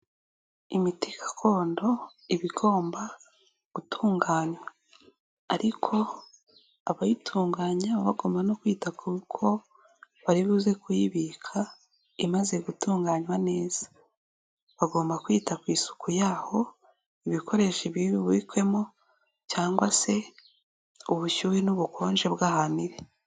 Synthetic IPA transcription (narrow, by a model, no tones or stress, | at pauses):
imiti̥kʰḁkʰo̞ːndo̞ | iβiɡo̞ːmba | ɡutʰuːŋɡaːɲwaː | ɾikʰo̞ | aβajitʰuːŋɡaːɲaβaɡo̞ːmbano̞kwiːtakukʰo̞ | βaɾiβuze̞kujiβikʰa | imaze̞ɡutuːŋɡaːɲwane̞ːz̥ḁ | βaɡo̞ːmbakwiːtakwiːsu̥kʰujaːho̞ | iβikʰo̞ɾe̞ʃiβiβiβwikwe̞mo | caːŋɡwase̞ | uβuʃuːɾinuβukʰo̞ːnʒe̞βɡahaniɾe̞